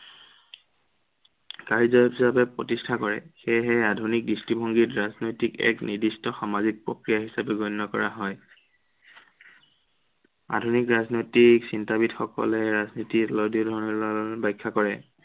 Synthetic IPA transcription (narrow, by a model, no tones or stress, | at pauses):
kaɹzɔpɦisapɛpɹɔtistʰakɔɹɛ̰xɛjɦɛadʱunik̚distibʱɔŋɡitɹaznojtikɛ̰knidistɔxamazik̚pɹɔkɹijaɦisapɛɡonːɔkɔ̰ɹaɦɔj | a̰dʱunikɹaznojtiksintabidxɔkɔ̰lɛɹaznitilɔdiʊdʱɔɹɔnɔɹlɔbajkʰːakɔɹɛ